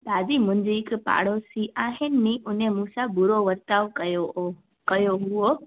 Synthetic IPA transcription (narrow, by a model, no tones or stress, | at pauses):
d̪ʱaːd͡ʒimʊ̃ɲd͡ʒeɪkpa̰ːɽ̤osiʔaːɦɪnːĩʔʊnemũːsabʊɾoʋəɾt̪aːʋkəjo | kɐjoɦuo